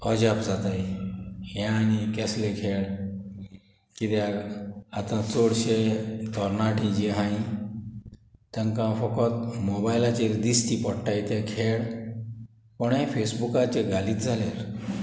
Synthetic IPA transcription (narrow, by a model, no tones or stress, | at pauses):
ɔd͡ʑapd͡zat̪aj | ɦãnikɛslekʰeɭ | kit̪e | at̪ãt͡soɽɕekɔɾnaʈĩd͡ʑeɦãi | t̪ãŋkãfəkɔt̪mɔbajlat͡ɕeɾd̪ist̪ipɔɽʈajt̪ekʰeɭ | pɔɳẽfesbukat͡ɕeɡaliːt̪d͡zʱaleɾ